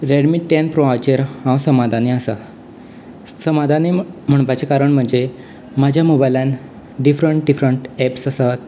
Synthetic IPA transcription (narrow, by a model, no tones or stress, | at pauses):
ɾeɽmiʈːẽnpɾoat͡ɕeɾhãwsəmad̪ʱaneəsa | səmad̪ʱanem̤əɳ̃pat͡sekaɾəɳm̤əɳd͡ze | mad͡ʑʱjamobajlãn | ɖifɾəɳʈ̚ɖifɾəɳʈɛpsəsat̪̚